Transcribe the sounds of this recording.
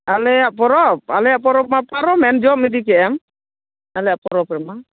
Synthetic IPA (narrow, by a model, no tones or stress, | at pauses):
alɛaʔpɔɾɔp̚alɛjaʔpɔɾɔp̚mapaɾɔmɛnd͡ʒɔp̚mid̪ikɛʔɛm | alɛapɔɾɔpɾɛma